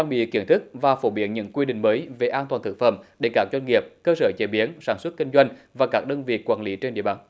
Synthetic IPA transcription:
aː˧ŋɓḭ˧˨ki˧˩ənt̪ʰɨ˦˥k̚vaː˨˩fo˧˩ɓi˨˩ənɲɨ̰˧˥ŋkwi˧ɗï˧˨ŋ̟məː˨˦jve˨˩ʔaː˧nt̪waː˨˩nt̪ʰɨ˧˩k̚fə̰˧˩mɗe˧˩kaː˦˥k̚zwa˧ŋ̟ŋi˨˩əp̚kəː˧səː˧˩t͡ɕe˧˩ɓi˨˦ənsaː˧˩nswə˦˥t̚ki˧ŋ̟zwa˧jŋ̟vaː˨˩kaː˦˥k̚ɗəː˧nvḭ˨˩˨kwaː˧˩nli˨˦t͡ɕe˧nɗḭ˧əɓa̰ː˧˩n

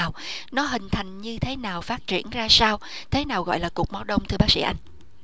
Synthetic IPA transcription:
wnɔ˨˦ɦï˨˩ŋ̟t̪ʰa˨˩jŋ̟ɲɨ˧t̪ʰe˨˦naː˨˩wfaː˦˥t̚t͡ɕḭ˧˩ənzaː˧saː˧w | t̪ʰe˨˦naː˨˩wɣɔ̰˧˨jlaː˨˩ku˨˩k͡p̚ma˨˦wɗə˧wŋ͡mt̪ʰɨ˧əɓaː˦˥sḭ˧˥ʔa˧jŋ̟

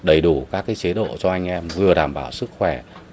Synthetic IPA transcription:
ɗə˨˩jɗu˧˩kaː˦˥kːaː˨˦jt͡ɕe˨˦ɗo̰˧˨t͡ɕɔ˧ʔa˧jŋ̟ʔɛ˧mvɨ˨˩əɗaː˧˩mɓaː˧˩wsɨ˦˥k̚xwɛ˧˩

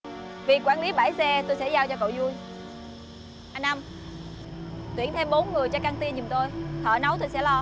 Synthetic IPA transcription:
vi˨˩kwaː˧˩nli˨˦ɓaː˧˩jsɛ˧t̪o˧jsɛ̰˧˥zaː˧wt͡ɕɔ˧ko̰˧˨wzu˧əj | ʔa˧nʔa˧m | t̪wi˧˩ənt̪ʰe˧mɓo˨˦nŋɨ˨˩əjt͡ɕɔ˧kaː˧ŋt̪i˧nɲi˨˩ŋ͡mt̪o˧jt̪ʰə̰ː˧˨na˨˦wt̪o˧jsɛ̰˧˥lɔ˧

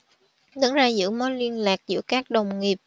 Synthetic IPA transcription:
ɗə˨˦nzaː˧zɨ̰˧˥mo˨˦li˧ənlaː˨˩k̚zɨ̰˧˥kaː˦˥k̚ɗə˨˩wŋ͡mŋi˨˩əp̚

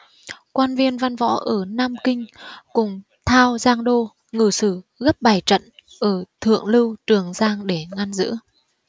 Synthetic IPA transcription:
kwaː˧nvi˧ənva˧nvɔ̰˧˥ʔəː˧˩naː˧mkï˧ŋ̟kʊ˨˩ŋ͡m | t̪ʰaː˧wzaː˧ŋɗo˧ | ŋɨ˨˩sɨ˧˩ɣə˦˥p̚ɓaː˨˩jt͡ɕə̰˧˨n | ʔəː˧˩t̪ʰɨ̰˧˨əŋlɨ˧wt͡ɕɨ˨˩əŋzaː˧ŋɗe˧˩ŋa˧nzɨ̰˧˥ə

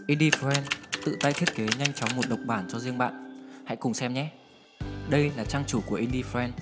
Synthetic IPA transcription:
ʔi˧nɗi˧fɛ˧nt̪ɨ̰˧˨t̪aː˧jt̪ʰi˦˥t̚ke˨˦ɲa˧jŋ̟t͡ɕɔ˨˦ŋ͡mmo˨˩t̚ɗə˨˩wk͡p̚ɓaː˧˩nt͡ɕɔ˧zi˧əŋɓa̰ː˧˨nha̰˧˥jkʊ˨˩ŋ͡msɛ˧mɲɛ˨˦ | ɗə˧jlaː˨˩t͡ɕaː˧ŋt͡ɕu˧˩ku˧˩əʔi˧nɗi˧fɛ˧n

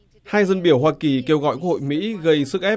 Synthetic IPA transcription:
haː˧jzə˧nɓi˧˩əwɦwaː˧ki˨˩ke˧wɣɔ̰˧˨jkwə˥kho̰˧˨jmḭ˧˥ɣə˧jsɨ˦˥k̚ʔɛ˦˥

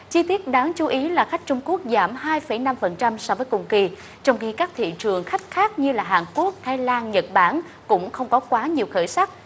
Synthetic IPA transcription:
t͡ɕi˧t̪i˦˥ət̚ɗaː˨˦ŋt͡ɕu˨˦ʔi˨˦laː˨˩xa˦˥jk̟̚t͡ɕʊ˧ŋ͡mku˦˥ək̚zaː˧˩mhaː˧jfə˧˩jna˧mfə˨˩nt͡ɕa˧msɔ˧vəː˨˦jkʊ˨˩ŋ͡mki˧˩ | t͡ɕɔ˧wŋ͡mxi˧kaː˦˥k̚t̪ʰḭ˧˨t͡ɕɨ˨˩əŋxa˦˥jk̟̚xaː˦˥k̚ɲɨ˧laː˨˩ɦaː˨˩nku˦˥ək̚t̪ʰaː˨˧˦jlaː˧nɲə˨˩t̚ɓaː˧˩n | kʊ̰˧˥ŋ͡mxə˧wŋ͡mkɔ˨˦kwaː˨˦ɲi˨˩əwxəː˧˩jsa˦˥k̚

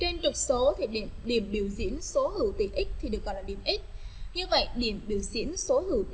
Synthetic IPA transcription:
t͡ɕe˧nt͡ɕʊ˨˩k͡p̚so˨˦t̪ʰi˨˩ɗi˧˩əmɗi˧˩əmɓi˧˩əwzḭ˧˥ənso˨˦hɨ˧˩wt̪ḭ˧˩ʔi˦˥k̟̚t̪ʰi˨˩ɨ˨˩ək̚zɔ˧˨laː˨˩ɗi˧˩əmʔi˦˥k̟̚ɲɨ˧və̰˧˨jɗi˧˩əmɓi˧˩əwzḭ˧˥ənso˨˦hɨ˧˩w

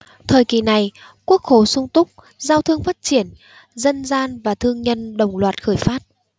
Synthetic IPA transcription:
t̪ʰəː˨˩jki˨˩na˨˩j | ku˦˥ək̚xo˨˩sʊ˧ŋ͡mt̪ʊ˦˥k͡p̚ | zaː˧wt̪ʰɨ˧əŋfaː˦˥t̚t͡ɕi˧˩ən | zə˧nzaː˧nvaː˨˩t̪ʰɨ˧əŋɲə˧nɗə˨˩wŋ͡mlwaː˨˩t̚xəː˧˩jfaː˦˥t̚

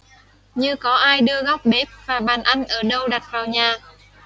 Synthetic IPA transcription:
ɲɨ˧kɔ˨˦ʔaː˧jɗɨ˧əɣɔ˦˥wk͡p̚ɓe˦˥p̚vaː˨˩ɓaː˨˩nʔa˧jŋ̟ʔəː˧˩ɗə˧wɗa˨˩t̚vaː˨˩wɲaː˨˩

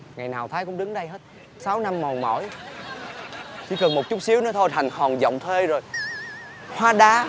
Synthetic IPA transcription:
ŋa˨˩jnaː˨˩wt̪ʰaː˨˦jkʊ̰˧˥ŋ͡mɗɨ˨˦ŋɗə˧jɦe˦˥t̚ | saː˨˦wna˧mːɔ˨˩nmɔ̰˧˩˦j | t͡ɕḭ˧˥˦kə˨˩nmo˨˩t̚t͡ɕu˦˥t̚si˨˦əwnɔ˨˦t̪ʰo˧jhʰa˨˩ŋ̟hɔ˨˩nzɔ̰˧˨wŋ͡mt̪ʰwe˧zo˨˩j | hwaː˨˧˥ɗaː˨˦˥

